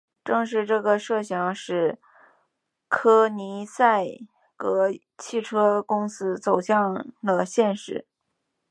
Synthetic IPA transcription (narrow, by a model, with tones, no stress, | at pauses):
ʈ͡ʂɤ˥˧ŋʂ̬ɻ̩˥˧ʈ͡ʂɤ˥˩ɡə˩ʂɤ˥˩ɕjɑ˧˥ŋʂɻ̩˥˩ | kʰɤ˥ni˧˥sa˥˩ɪ | kɤ˧˥ | t͡ɕʰi˥˩ʈ͡ʂʰɤ˥kʊ˥ŋsɹ̩˥t͡so˨˩ʊɕjɑ˥˩˧ŋd̪ə˩ɕjɛ˥˧nʂɻ̩˥˩˦